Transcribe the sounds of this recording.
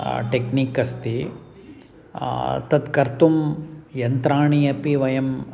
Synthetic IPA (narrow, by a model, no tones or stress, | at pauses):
ʈekniːkɐst̪i | t̪ɐt̪kɐɾt̪umjɐnt̪ɾaːɳiɐpiʋɐjɐm